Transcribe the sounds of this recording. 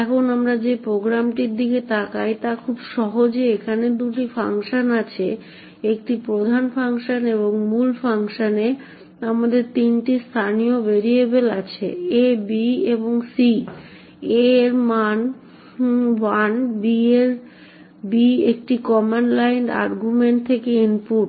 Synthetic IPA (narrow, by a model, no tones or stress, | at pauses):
ɛkʰonamɾad͡ʑepɾoɡɾamʈiɾd̪ʱiket̪ʰakajt̪akʰubʃɔɦod͡ʑeekʰaned̪uʈifaŋʃanat͡ɕʰe | ek̚ʈipɾod̪ʱanfaŋʃaneβoŋmulfaŋʃane | amad̪eɾt̪inʈist̪ʰaniobeɾiebela̰t͡ɕʰḛebieboŋsi | eɾman | wanbieɾ | biek̚ʈikɔmenlajnʈa̰ɾɡumeɳʈ̚t̪ʰekeinpuʈ